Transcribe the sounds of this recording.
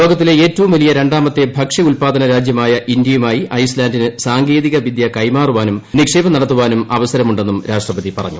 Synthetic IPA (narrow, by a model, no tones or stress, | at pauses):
lo̞ːɡɐt̪ːileeːtːɐʋumʋɐlijɐɾe̞ɳɖaːmɐt̪ːe̞bʱɐkʂiulpaːd̪ɐnɐɾaːd͡ʑjɐmaːjɐʔindjɐjumaːjiʔɐjslaːndinɨsaːŋɡe̞ːðiɣɐʋid̪jɐkɐjmaːruʋaːnumnikʂe̞ːbɐnɐɽɐt̪ːuʋaːnumɐʋɐsɐɾɐmuɳɖe̞nːumɾaːʂʈrɐpɐðipɐrɐ̰ɲːu